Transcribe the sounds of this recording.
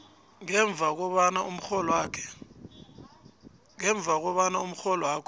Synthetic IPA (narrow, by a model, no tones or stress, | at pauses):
ŋɛɱb̪vʱak̬ɔɓanaum̩xɔlɔwakʰɛ̥ | ŋɛɱb̪vʱak̬ɔɓanaum̩xɔlɔwaːkʰɔ